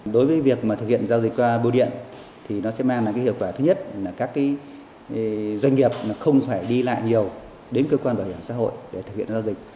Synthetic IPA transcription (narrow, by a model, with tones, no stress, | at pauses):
ɗo˨˦jvəː˨˦jvi˨˩ək̚maː˨˩t̪ʰɨ˨˩k̚hḭ˧˨ə˨nzaː˧wzi˨˩k̚kwaː˧ɓi˧ɗḭ˧˨ən | t̪ʰi˨˩nɔ˨˦sɛ̰˧˥maː˧ŋlaː˨jkːa˨˦ḭ˧˨wkwaː˧˩t̪ʰɨ˨˦ɲə˦˥t̚laː˨˩kaː˦˥kːaː˨˦j | zwa˧jŋ̟ŋi˨˩əp̚laː˨˩xə˧wŋ͡mfaː˧˩jɗi˧la̰ː˧˨jɲi˨˩əw | ɗe˨˦nkəː˧kwaː˧nɓaː˧˩whi˧˩əmsa̰˧˥ɦo̰˧˨jɗe˧˩t̪ɨ˨k̚hḭ˧ə˨nzaː˧wzï˨˩k̟̚